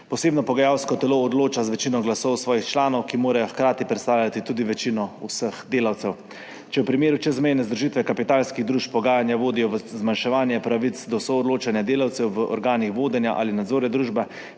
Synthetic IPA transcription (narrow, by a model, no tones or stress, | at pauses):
pɔseːbnɔpɔɡajawskɔt̪ɛloːd̪loːt͡ʃazʋɛt͡ʃinɔɡlasɔwsʋɔːjixt͡ʃlaːnɔwkimoːɾajɔxkɾaːt̪ipɾɛt̪st̪aːwlʲjat̪it̪uːd̪iʋɛt͡ʃinɔusəxd̪eːlawt̪sɛw | t͡ʃɛwpɾimeːɾut͡ʃɛzmɛjnɛzd̪ɾuʒit̪ʋɛkapit̪aːlskiɣd̪ɾuːʃpːɔɡaːjanjaʋoːd̪ijɔʋəzmanʃɛʋaːnjɛpɾaʋit̪sd̪ɔsɔɔd̪loːt͡ʃanjad̪eːlawt̪sɛwʋəʔɔ̰ɾɡaːnixʋoːd̪ɛnjaʔa̰ːlinad̪zoːɾnɛd̪ɾuːʒbɛ